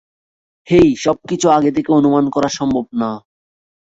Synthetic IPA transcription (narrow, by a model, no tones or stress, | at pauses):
hejʃɔb̚kit͡ɕʰuaɡet̪̬ʰekeonumankɔɾaʃɔmbʱob̚na